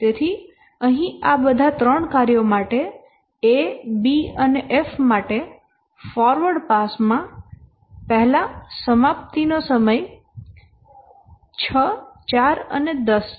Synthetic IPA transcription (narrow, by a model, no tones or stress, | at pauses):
t̪et̪ʰi | əɦĩabəd̪ʱat̪ɾəɳkaɾjomaʈe | ebiəneʔefmaʈe | fɔɾʋəɽpasmã | pɛɦlasəmapt̪inosəməj | t͡ʃʰət͡ʃaɾə̰ned̪əs